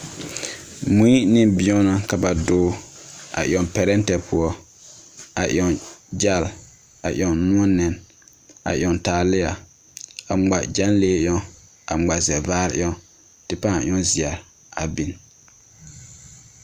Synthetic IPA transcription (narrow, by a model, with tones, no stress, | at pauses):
mu˦i˦nɪ˦bĩ˦ɔ˦na˦ka˨ba˨doː˦a̰˨ʔj̰ɔ˨pɛ˨ɾɛ˦n˦tɛ˨pʰʊ˦ɔ˦ | a˨ʔj̰ɔ˨nd͡ʒa˦˨l | a˨ʔj̰ɔ˨nũ˦ɔ˦nɪ˨n | a̰˨ʔj̰ɔ˨ntaː˨lɪ˦ja˨ | a˨ŋ͡ma˨d͡ʒa˦nleː˦ʔjɔ˦ | a˨ŋ͡ma˨zɛ˨vaː˦ɾɪ̰˦ɔ˦ | tɪ˦pa˦˨j̰ɔ˦zɪ˨a˨ɾ | a˨bi˨n